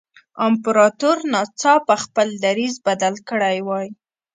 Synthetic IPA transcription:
ɑmpʊɾɑt̪oɾnɑt͡sɑpəxpəld̪aɾizbad̪alkəɽajwɑj

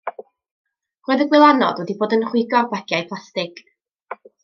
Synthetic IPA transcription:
roːɨðəɡwɪlˠanɔ̰dwɛdiboːdənχwɪɡɔrbaɡ̥jajpʰlˠastɪɡ̥

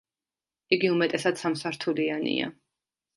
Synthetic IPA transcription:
iɡiumɛt̪ʼɛsad̪̥samsaɾt̪ʰulianḭa̰

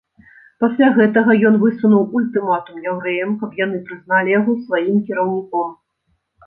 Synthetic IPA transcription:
pasʲlʲaɣɛt̪ɐɣɐjɔnvɨsunuwulʲt̪ɨmat̪umjɛwɾɛjɐmkɐpjanɨpɾɨzn̪alʲijaɣɔsvajimkʲɛɾɐwnʲikɔm

